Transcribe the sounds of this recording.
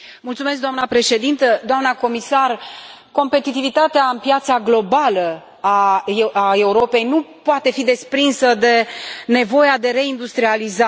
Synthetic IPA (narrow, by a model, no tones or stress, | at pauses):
mult̪sume̞s̬kd̪oamnəpɾe̞ʃe̞d̪int̪əd̪oamnəko̞misarko̞mpe̞t̪it̪ivit̪at̪eaɨnpjat̪saɡlo̞balə | aae̞uɾo̞pe̞jnupoat̪e̞fid̪e̞spɾinsəd̪e̞ne̞vo̞jad̪e̞ɾe̞ind̪ust̪ɾializa